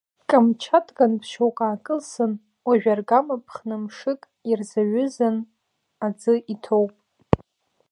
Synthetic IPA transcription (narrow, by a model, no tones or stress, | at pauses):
kʼamt͡ʃʰatʼɡanpʰʃowkʼaːkʼɨlsɨn | waʒᶣarɡamapʰχnɨmʂɨkʼirzaɥʏzan | ad͡zɨʔitʰowpʼ